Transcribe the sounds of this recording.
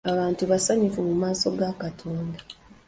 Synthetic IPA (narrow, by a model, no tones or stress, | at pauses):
aβaːntuβasaɲufumumaːso̞ɡakatʰoːnda